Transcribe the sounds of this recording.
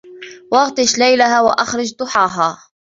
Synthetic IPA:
wɑɣt̪ˤɨʃlajlahaːwaʔaxɾˤɑd͡ʒd̪ˤʊħɑːɦaː

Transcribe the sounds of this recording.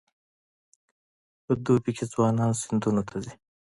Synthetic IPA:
əd̪ubikʰezwɑːnɑːnsɪnd̪unot̪ʰazi

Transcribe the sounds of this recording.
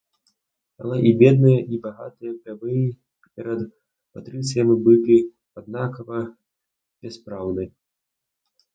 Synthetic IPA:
a̰lˠaʔibʲɛd̪nɨjɐʔibaɣa̰t̪ɨjɐpɾʲavɨji | pʲɛɾɐd̪ | pat̪ɾɨt̪sɨjɐmibɨlʲi | ad̪̚nakɐvɐ | b̥ʲɛspɾawnɨ

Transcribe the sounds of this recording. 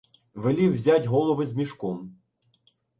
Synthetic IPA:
ʋelʲiwzʲatʲɦɔlˠɔʋɪzmʲiʃkɔm

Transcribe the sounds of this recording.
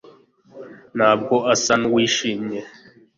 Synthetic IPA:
n̤ab̚ɡoasanwiʃimɲe

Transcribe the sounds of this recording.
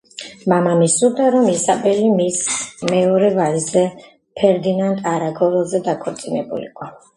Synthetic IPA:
mamamisud̪aɾɔmisabʼɛlimismɛɔɾɛvalizɛ | pʰɛɾd̪inant̪ʼaɾaɡɔɾɛlˠzɛd̪akʰɔɾt̪sʼinɛbṵlḭqʼɔ

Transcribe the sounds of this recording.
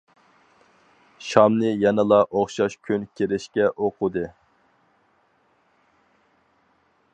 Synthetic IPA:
ʃɑmnɨjɛnɨlˠɑʔoχʃɑʃkʲʰynkʲʰeɾɪʃkʲɛʔoqʊd̪ɨ

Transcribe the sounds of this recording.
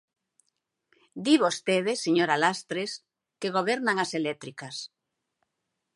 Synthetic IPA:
d̪iβost̪eðeseɲoɾalast̪ɾes | keɣoβɛɾnaŋaselɛt̪ɾikas

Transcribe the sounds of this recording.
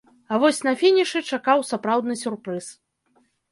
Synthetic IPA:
avɔsʲnɐfʲinʲiʂɨt͡ʂakawsapɾawd̪nɨsʲurpɾɨs

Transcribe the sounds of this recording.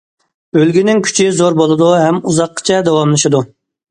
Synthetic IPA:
ølɡʲynɪŋkʲʰy̥t͡ʃʰizoɾbolˠɨd̪uɦɛmuzɑqʰːə̥t͡ʃʰɛd̪ɛwɑmlˠɨʃɨd̪u

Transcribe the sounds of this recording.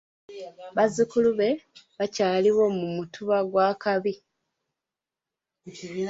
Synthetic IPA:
βazikuluβe̞βacaːliβo̞mumutʰuβaɡwaːkaβi

